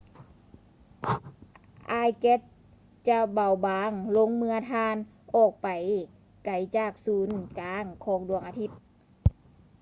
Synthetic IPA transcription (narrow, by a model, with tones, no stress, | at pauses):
ʔaː˧jke˧˥t̪̚ | t͡ɕa˧ba˨˩wbaː˨˧˦ŋlo˧˥˨ŋmɯ˧ɐt̪ʰaː˧n | ʔɔː˧˩k̚pa˨˩j | ka˨˩jt͡ɕaː˧˩k̚suː˨˦nkaː˨˧˦ŋkʰɔː˨˧˦ŋdu˧˩əŋʔa˧t̪ʰi˧˩p̪̚